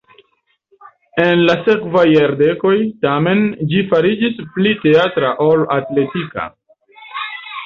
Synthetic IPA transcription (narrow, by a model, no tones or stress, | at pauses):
e̞nlase̞kvajaɾde̞ko̞jtame̞nd͡ʒifaɾid͡ʒisplite̞atɾaʔo̞latle̞tika̰